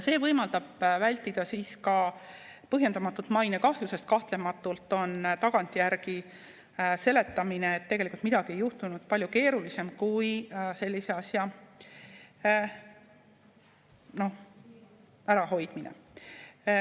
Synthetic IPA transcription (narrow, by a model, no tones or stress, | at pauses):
jɑse̞ːvɤjmɑld̪ɑb̥vælʲt̪ːˑid̪̥ɑsiːskɑ | pɤɦje̞nd̪ɑmɑt̪ːˑult̪mɑjne̞kɑhjuse̞st̪̚kɑht̪le̞mɑt̪ːˑult̪ːˑo̞nt̪ɑɡ̥ɑnt̪ʲːˑijæɾɡ̥i | se̞le̞t̪ːˑɑmine̞ːt̪ːe̞ɡelikult̪mid̪ɑɡ̥ie̞jːuht̪unud̪̥̚pɑlʲjuke̞ːɾulise̞mkujse̞lʲːise̞ɑsjɑ | no̞h | æɾɑho̞jd̪̥minḛ